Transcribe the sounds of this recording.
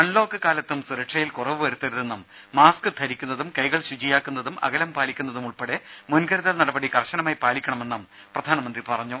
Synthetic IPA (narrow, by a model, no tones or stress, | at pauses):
kɐɳlo̞ːkːɨkaːlɐt̪ːumsuɾɐʈʂɐjilkurɐʋɨʋɐɾut̪ːɐɾuðe̞nːɐmː | aːskɨt̪ʰɐɾikʲːunːɐðumkɐjɣɐɭɕud͡ʑijaːkːunːɐðumɐ̰ɣɐlɐmpaːlikʲːunːɐðumuɭpɐɽemunkɐɾɐðɐlnɐɽɐbɐɽikɐrɕɐnɐmaːjpaːlikʲːɐɳɐme̞nːɐm | prɐd̪ʱaːnɐmɐnd̪ripɐrɐɲːu